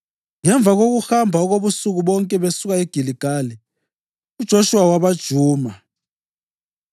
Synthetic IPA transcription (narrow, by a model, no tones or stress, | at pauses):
ŋɛɱb̪vʱak̬ok̬uxambʱaɔk̬oɓusuk̬uɓɔŋkʼɛɓesuk̬aeɡ̥ʱiliɡ̥ʱaːli | ud̥ʒ̥ʱoʃuwawaɓad̥ʒ̥ʱuːma